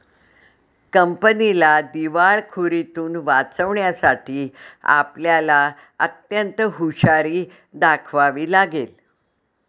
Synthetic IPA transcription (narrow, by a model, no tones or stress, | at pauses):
kəmpənilad̪iʋaɭkʰuɾit̪uːnʋat͡səʋɳjasaʈʰiːa̰pljala | ə̰t̪jənt̪ɦuɕaɾiː | d̪akʰʋaʋiːlaɡel